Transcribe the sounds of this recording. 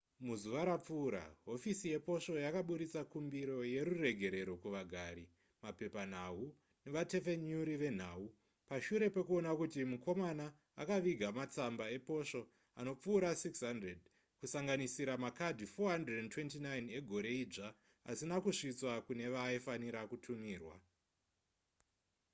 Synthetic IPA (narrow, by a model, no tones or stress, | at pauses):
muzuʋaɾap͡fuːɾa̰ɦo̞fisije̞po̞ʂo̞jakaɓuɾit͡sakumbiɾo̞je̞ɾure̞ɡʱe̞ɾe̞ɾo̞kuʋaɡʱaːɾi | mape̞pan̤aɦu | ne̞ʋate̞fe̞ɲuɾiʋe̞n̤aːu | paʃuɾe̞pe̞kuo̞nakutimuko̞manaː | kaʋiɡʱamat͡sambae̞po̞ʂo̞ | a̰no̞p͡fuːɾasiksɦandred̚ | kusaŋɡanisiɾamakadʱifo̞ɦandredentwe̞ntinajne̞ɡʱo̞ɾe̞iʐa | a̰sinakuʂit͡swakune̞ʋaifaniɾakutʰumiːrwa